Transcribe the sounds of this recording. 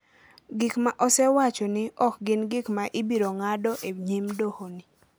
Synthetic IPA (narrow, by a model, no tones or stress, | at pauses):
ɡɪkmaʔɔsɛwat͡ʃɔnɪɔk̚ɡɪnɡɪkmaʔɪbiɾoŋadɔʔeɲimdohonɪ